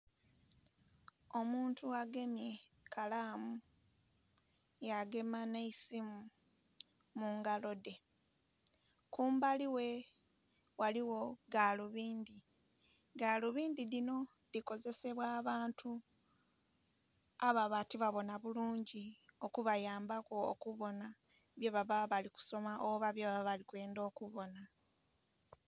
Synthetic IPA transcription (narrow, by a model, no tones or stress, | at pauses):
o̞muːntʰuaɡe̞mje | kʰalaːmu | jaɡe̞maneisimu | muŋɡalo̞de̞ | kuːmbaliwe̞ | waliwo̞ɡaːluβiːndi | ɡaluβiːndiðino̞ | ðiko̞ze̞se̞βwaːβaːntʰu | aβaβatiβaβo̞naβuluːɲɟio̞kuβajaːmbako̰ːkuβo̞na | βjeβaβaβaliku̥so̞maʔoβaβjoβaβalikwe̞ːndo̞ːkuβo̞na